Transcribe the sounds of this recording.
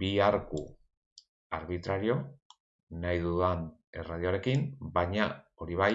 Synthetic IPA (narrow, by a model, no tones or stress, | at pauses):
biaɾku | aɾβit̪ɾaɾio̞ | najðuðane̞̰rað̞ioaɾe̞kimbaɲa | o̞ɾiβaj